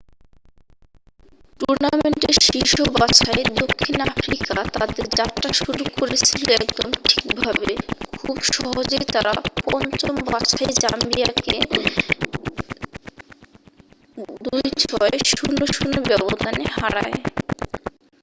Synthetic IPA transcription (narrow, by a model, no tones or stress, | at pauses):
ʈuɾnameɳʈeɾʃiʃobat͡ɕaed̪okʰːinafɾikat̪ad̪eɾd͡ʑat̪ːɾaʃuɾukoɾet͡ɕʰiloɛkd̪omʈʰi̥kbʱabekʰubʃɔɦod͡ʑejt̪aɾapɔnt͡ɕombat͡ɕʰaed͡ʑambiake | d̪ujt͡ɕʰɔeʃunːoʃunːobɛbod̪ʱaneɦaɽa̰e